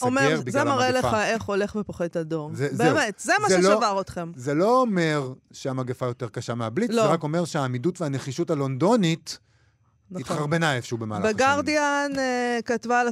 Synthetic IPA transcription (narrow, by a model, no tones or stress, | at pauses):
omebiɡzemaʁeleχaeχo̞le̞χvepoχedtadoʁzebeeːmetzemaʃeelavaʁot̪χemzeloome̞ʁʃeamaɡefajo̞teʁkaʃameablitzloeʁako̞me̞ʁʃeaːmidutveane̞χiʃutalo̞ndo̞nit | nitχaʁbenajefʃeubema̰ːlabeɡaʁdianekatvala